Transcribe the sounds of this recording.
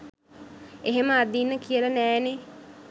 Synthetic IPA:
eɦeməad̪inːəkijələnɛːne

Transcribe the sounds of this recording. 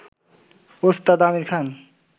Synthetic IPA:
ost̪ad̪amiɾkʰan

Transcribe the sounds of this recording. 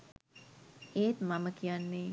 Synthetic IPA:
eːt̪maməkʰijanːeː

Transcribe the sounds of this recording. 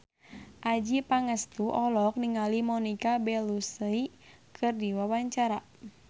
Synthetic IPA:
ʔad͡ʒipaŋəst̪uʔɔlɔk̚niŋalimɔnikabɛlusəi | kʰɨrdiwawaɲt͡ʃaɾa

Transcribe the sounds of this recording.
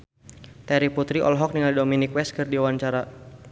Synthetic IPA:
t̪ɛɾiput̪ɾiʔɔ̰lɦɔk̚niŋaldominikwɛskɨrdiawaɲt͡ʃaɾa

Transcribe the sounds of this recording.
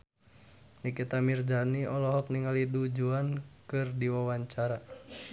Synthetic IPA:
nikit̪amird͡ʒaniɔlɔɦɔk̚niŋalidud͡ʒuankɨrdiwawaɲt͡ʃaɾa

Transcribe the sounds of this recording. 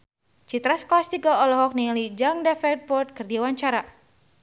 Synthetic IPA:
t͡ʃit̪ɾasklast̪iɡaɔlɔɦɔk̚nilid͡ʒaŋdɛfɛk̚t̪̚bɔrt̪̚kərdiawaɲt͡ʃaɾa

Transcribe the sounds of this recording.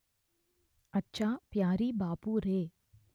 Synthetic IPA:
ɐtːʃapjaːɾibaːpuɾeː

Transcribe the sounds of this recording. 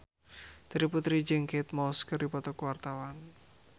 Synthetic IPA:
d̪̥əɾiput̪ɾid͡ʒɛŋkɛt̪mɔskərdipɔt̪ɔkwart̪awan

